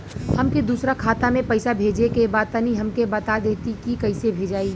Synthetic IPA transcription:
hɐmked̪uːsɾakʰaːt̪amẽpɐɪsabʱeːd͡ʒekebaːd̪̚t̪əniɦɐmkebɐt̪ad̪eːt̪ikikɐɪsebʱeːd͡ʒaːiː

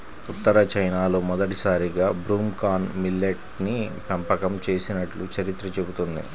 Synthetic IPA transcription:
ut̪ːɐɾɐt͡ʃɐjnaːloːmɔd̪ɐʈisaːɾiɡaːbɾuːmkaːnmilːeʈ | nipɐmpɐkɐmt͡ʃe̞ːsinɐʈlut͡ʃɐɾit̪ɾɐt͡ʃebut̪und̪ḭ

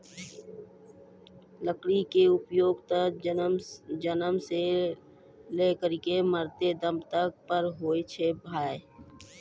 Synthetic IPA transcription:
ləkɽikeʊpjoːɡt̪ə | d͡ʒənəmse | lekəɾikeməɾt̪ed̪əmt̪ək̚pəɾɦoːit͡ʃʰebʱaːe

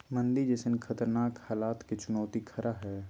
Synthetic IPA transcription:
mə̃nd̪id͡ʒɛsɪnkʰɐt̪əɾnaːkhaːlaːt̪ket͡ʃʊnɔːt̪ikʰɐɾʔaɦɛː

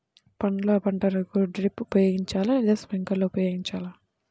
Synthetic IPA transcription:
pɐnloːpɐɳʈɐɾɐkuɖɾipːupɐjoːɡiɲt͡ʃaːlaid̪esʋeŋkɐlːoupɐjoːɡiɲt͡ʃaːla

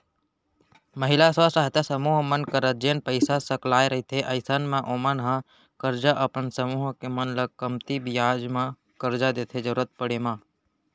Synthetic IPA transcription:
məɦɪlasasaːɦt̪asəmuːɦmənkəɾət̪̚d͡ʒeːnpəɪsasəklaːeɾəɦit̪ʰeʔəɪsənmẽʔomənɦã | kəɾd͡ʒaʔəpənsəmuːɦkemənləɡ̚kəmt̪ibɪjaːd͡ʒmã | kəɾd͡ʒad̪eːt̪ʰed͡ʒəɾuɾət̪̚pəɽemã

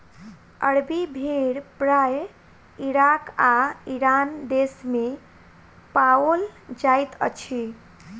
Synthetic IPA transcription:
ə̰ɽbibʱeɽpɾaj | iɾakaiɾand̪esme | paold͡ʒajt̪ə̰t͡ʃʰi

